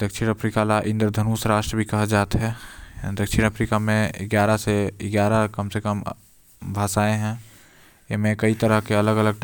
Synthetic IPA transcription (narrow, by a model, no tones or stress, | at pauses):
d̪̥əkʃiːɾ̃əpʰɾiːkalaʔɪ̃nd̪ɾəd̪ʱənuːsɾaːʃʈɾəbʱikɐɦd͡ʒaːt̪ɦɛd̪əkʃiɾ̃ñəpɾikamẽɪ̰ɡjaːɾaseɪɡjaːɾəkəmsekəm | bʱaːsaːẽɦɛ̃ | jemẽkɐit̪əɾəɦkeɐləɡələɡ̚